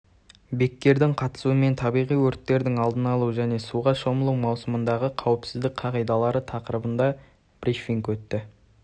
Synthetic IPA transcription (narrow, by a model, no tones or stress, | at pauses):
be̞kʲːe̞ɾd̪ɪɴqʰɑt̪ə̥suəme̞nt̪ʰɑbijʁijwɵɾt̪ːe̞ɾd̪ɪŋɑlˠd̪ənɑlˠuʒæne̞suʁɑʃo̞məlˠuwmɑwsəmənd̪ɑʁəqʰɑwɪpsɪzd̪ɪk̚qʰɑʁijd̪ɑlˠɑɾət̪ʰɑqəɾəbənd̪ɑ | b̥riʃfiŋkwɵt̪ːɪ